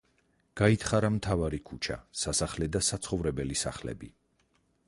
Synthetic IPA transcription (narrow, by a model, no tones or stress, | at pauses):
ɡ̥ait̪ʰχaɾamt̪ʰavaɾikʰut͡ʃʰa̰sasaχlɛd̪asat̪sʰχɔvɾɛbɛlisa̰χlɛ̰bi